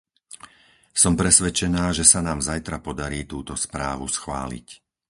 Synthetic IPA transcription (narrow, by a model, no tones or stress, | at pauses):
sɔmpɾɛsʋɛt͡ʃɛnaːʒɛsanaːmzajt̪ɾapɔd̪aɾiːt̪uːt̪ɔspɾaːʋusxʋa̰ːlḭc